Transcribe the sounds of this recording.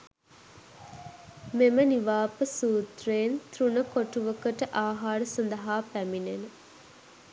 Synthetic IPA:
meməniʋaːpəsuːt̪reːnt̪ɾunəkoʈuʋəkəʈəʔaːɦaːɾəsɐnd̪ɐɦaːpæminenə

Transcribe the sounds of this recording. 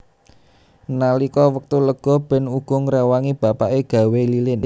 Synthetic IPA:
nalikɔwək̚t̪uləkɡ̥ɔ̤b̥ɛ̤nuɡ̥ɔ̤ŋɾɛwaŋib̥a̤paʔeɡ̥ä̤welilɪn

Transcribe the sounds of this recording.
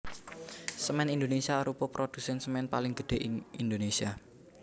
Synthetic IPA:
səmɛnind̪onesiaɾupɔpɾod̪̥usɛnsəmɛnpalɪŋɡ̥əd̥e̤ʔɪŋind̪onesia

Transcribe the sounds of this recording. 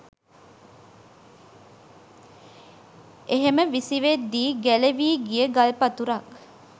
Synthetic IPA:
ʔeɦeməʋisiʋed̪ːiːɡæleʋiːɡijəɡalpɐt̪uɾɐk

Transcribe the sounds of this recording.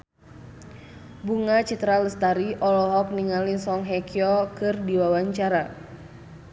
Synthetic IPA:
buŋat͡ʃit̪ɾaləst̪aɾiʔɔlɔɦɔk̚niŋalisɔŋɦɛkiɔkɨrdiwawaɲt͡ʃaɾa

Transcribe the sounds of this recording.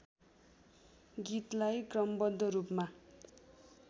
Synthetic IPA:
ɡit̪lajkrʌmbʌd̪ʱːʌɾupma

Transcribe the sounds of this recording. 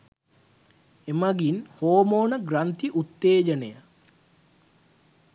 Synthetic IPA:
emaɡinhoːmoːnəɡrant̪iʔut̪ːeːd͡ʒəneja

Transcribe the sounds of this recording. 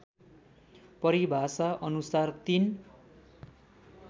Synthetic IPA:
pʌɾibʱasaʔʌnusart̪in

